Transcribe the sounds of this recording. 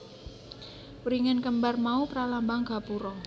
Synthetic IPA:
uɾiŋankəmbarmaupɾalambaŋɡ̥a̤puɾɔ

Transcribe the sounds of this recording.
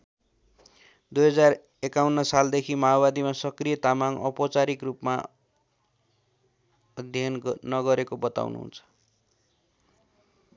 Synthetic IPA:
d̪ujɦʌd͡zar | ekawnːʌsald̪ekʰimaobad̪imasʌkrijʌt̪amaŋʌ̰pot͡saɾikrupma̰ | ʌd̪ʱjʌnːʌɡʌɾekobʌt̪a̰wnṵɦṵnt͡sʰʌ̥

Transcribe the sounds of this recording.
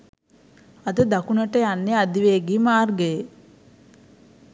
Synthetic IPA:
ad̪əd̪akunəʈəjanːead̪iʋeːɡimaːrɡeje

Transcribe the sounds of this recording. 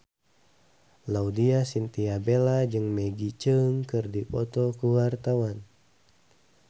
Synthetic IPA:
laudiasint̪iabelad͡ʒɨŋmɛɡit͡ʃəŋkɨrdipɔt̪ɔkuwart̪awan

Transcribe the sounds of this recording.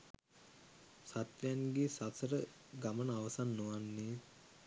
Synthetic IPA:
sat̪ʋejanɡeːsasəɾə | ɡamənəaʋəsanːoʋanːeː

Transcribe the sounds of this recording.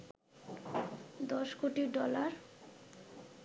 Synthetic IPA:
d̪ɔʃkoʈiɖɔlaɾ

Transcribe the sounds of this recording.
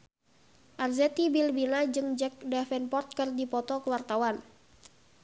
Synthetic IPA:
ʔarzɛt̪ibilbinad͡ʒɨŋd͡ʒɛk̚dafɛnpɔrt̪̚kɨrdipɔt̪ɔkəwart̪awan

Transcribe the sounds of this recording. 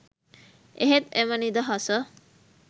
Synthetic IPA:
eɦet̪emənid̪ɐɦɐsə

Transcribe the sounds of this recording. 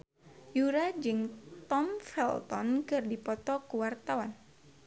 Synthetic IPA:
juɾad͡ʒɨŋt̪ɔmfɛlt̪ɔ̰nkɨrdipɔt̪ɔkuwart̪awan

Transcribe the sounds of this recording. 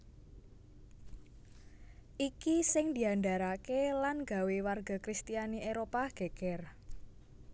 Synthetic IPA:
ʔikisɪŋd̪i̤ɦandaɾakelanɡa̤wewarɡa̤kɾist̪ijaniʔeɾopaɡ̥e̤ɡ̥ɛr

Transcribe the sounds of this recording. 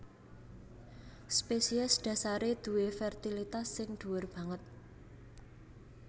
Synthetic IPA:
spesiɛsɖ̪̥a̤saɾed̪̥ṳwefɛrt̪ilit̪asːɪŋd̪̥ṳwʊrb̥ä̤ŋət̪̚

